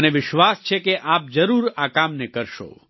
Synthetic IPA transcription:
neʋɪʃʋast͡ʃʰekeʔap̚d͡ʒəɾuɾakamnekəɾʃo̰

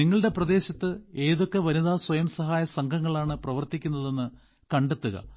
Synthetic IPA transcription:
iŋːɐɭɨɽe̞prɐd̪e̞ːɕɐt̪ːɨe̞ːðo̞kːe̞ʋɐnuðaːswɐjɐmsɐɦaːjɐsɐŋɡʱɐŋːɐɭaːɳɨprɐʋɐrt̪ikʲːunːɐðe̞nːɨ | kɐɳɖet̪ːuɣɐ̰

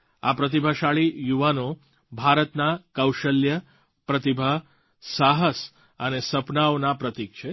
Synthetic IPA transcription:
apɾət̪̬ibʱaʃaɭijuʋano | bʱaɾət̪nakəwʃəljə | pɾət̪ibʱa | saɦəs | ənesəpnaonapɾət̪ik̚t͡ʃʰe

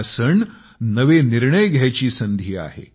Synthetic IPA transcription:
səɳ | nəʋeniɾɳəjɡʱjajt͡ɕiːsənd̪ʱiːa̰ɦḛ

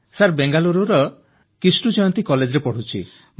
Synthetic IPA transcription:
saɾbeŋɡaluɾuɾɔ | kisʈud͡ʒɔjɔnt̪ikɔled͡ʒɾepɔɽ̤ut͡ʃʰḭ

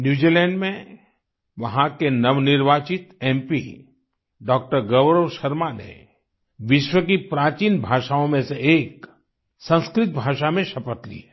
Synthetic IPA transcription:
njuːd͡ʒilɛ̃ːɳɖmẽ | ʋɐɦãkenɐʋnɪɾʋaːt͡ʃɪt̪ɛ̃mpḭ | ɖɔːk̚ʈəɾɡɐʋɾəʋʃɐɾmanḛ | ʋɪʃwəkipɾaːt͡ʃiːnbʱaːʃaõmẽseeːk | sə̃nskɾɪt̪̚bʱaːʃamẽʃɐpət̪lḭe

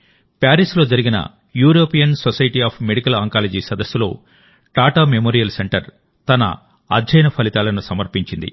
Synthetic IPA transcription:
paːɾislo̞ːd͡ʒɐɾiɡinɐ̰ | juːɾoːpijɐnsosɐjiʈiːaːpʰmeɽikɐlɐŋkaːled͡ʒiːsɐd̪ɐsːulo̞̰ː | ʈaːʈaːmemoːɾijɐlseɳʈɐɾ | t̪ɐnɐ̰ | ɐ̰d̪d͡ʒɐjnɐpʰɐlit̪aːlɐnusɐmɐɾpiɲt͡ʃind̪ḭ

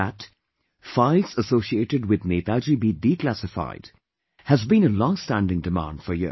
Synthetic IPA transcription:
æt | faɪlsəsoːsieːʈɨdwɪðnet̪ald͡ʒibidiklæsɪfa̰ɪd̥ | hæzbĩnəlɔ̃ŋstæ̃ndɪ̃ŋdɨmã̰ːnd̥fə˞jɪ̰

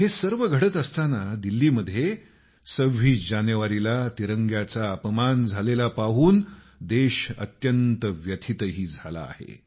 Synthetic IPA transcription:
hesəɾʋəɡʱəɽət̪əst̪anad̪ilːiːməd̪ʱːje | səʋiːd͡ʑanjəʋaɾilat̪iɾəŋɡjat͡saəpəmand͡zʱalelapaɦuːn | d̪eɕə̰t̪jənt̪əʋjət̪ʰit̪əɦiːd͡zʱala̰ːhḛ

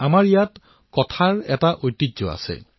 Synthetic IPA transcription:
amaɹijat | kɔtʰaɹɛtaʔojtːitzɔ̰a̰sɛ̰

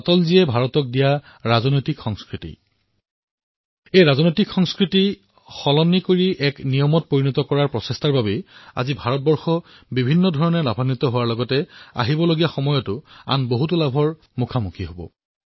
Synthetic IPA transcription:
tɔlziɛbʱaɹɔtɔk̚dija | ɹazɔnojtikxɔŋskɹitḭ | ejɹazɔnojtikxɔŋskɹiti | xɔlɔnːikoɹiʔɛknijɔmɔt̚poɹinɔtɔkɔɹaɹpɹɔsestaɹbabɛa̰zibʱaɹɔt̚bɔɹxɔ | bibʱinːɔdʱɔɹɔnɛlabʱanit̪ɔɦowaɹlɔɡɔtɛa̰ɦibɔloɡijaxɔmɔjɔtʊa̰nboɦutʊlabʱɔɹ | mukʰamukʰiɦobɔ̰

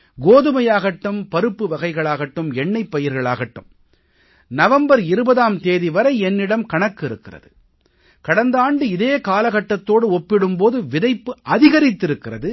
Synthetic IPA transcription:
ɡoːðɯmɐjaːɣɐʈːɯmpɐɾɯpːɯʋɐɣɐɪɣɐɭaːɣɐʈːɯmɛɳːɐɪpːɐjɪɾɣɐɭaːɣɐʈːɯ̰m | nɐʋɐmbɐɾɪɾɯbɐðaːmt̪eːðiʋɐɾɐɪɛnːɪɽɐmkɐɳɐkːɪɾɯkːɪrɐ̰ðɯ | kɐɽɐnd̪aːɳɖɯɪðeːkaːlɐɣɐʈːɐt̪ːoːɽɯɔpːɪɽɯmpoːðɯʋɪðɐɪpːɯʔɐðɪɣɐɾɪt̪ːɪɾɯkːɪrɐðɯ

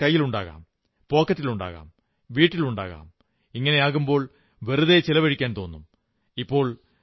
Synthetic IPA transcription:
ɐjːiluɳɖaːɣa̰ːm | po̞ːkːɐtːiluɳɖa̰ːɣa̰ːm | ʋiːʈːiluɳɖa̰ːɣa̰ːm | iŋːɐne̞aːɣumbo̞ːɭ | ʋeruðet͡ɕilɐʋɐɻikʲːaːnt̪o̞ːnːum | ipːo̞ːɭ

